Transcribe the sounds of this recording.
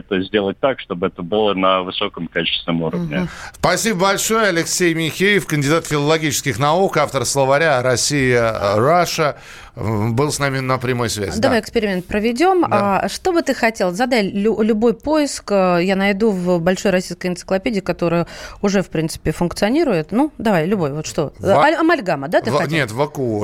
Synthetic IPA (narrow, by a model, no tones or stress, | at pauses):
ɛt̪əzʲdʲe̞lˠət̚ʲt̪akʂt̪o̞bɨɛt̪əbɨlˠənəvɨsokəmkalʲt͡ɕɪ̥st̪ʲɪnəmuɾəvnʲɪ̰spɐsʲibəbɐlʲʂo̞jəɐlʲɪksʲejmʲɪxʲejəfkənʲdʲɪd̪at̪fʲɪlˠəlˠɐɡʲit͡ɕɪskʲɪxnɐukaft̪əɾslˠəvɐɾʲaɾɐsʲijəraʂə | bɨlˠsnamʲɪnəpɾʲɪmo̞jsvʲæ̰zɪd̪ɐvajɪkspʲɪɾʲɪmʲe̞nt̪̚pɾəvʲɪdʲo̞maʂt̪o̞bɨt̪ɨxɐtʲe̞lˠzɐd̪alʲlʲʊlʲʊbo̞jpo̞ɪskəjanɐjd̪uvbɐlʲʂo̞jɾɐsʲijskəjɪnt̪sɨklˠɐpʲedʲɪːɪkɐt̪o̞ɾɨjəʊʐɛfpɾʲint̪sɨ̥pʲɪfʊnkt̪sɨɐnʲiɾʊjɪt̪nud̪ɐvajlʲʊbo̞jvo̞t̪ʂt̪o̞ɐmɐlʲɡaməd̪at̪ɨnnʲet̪vəku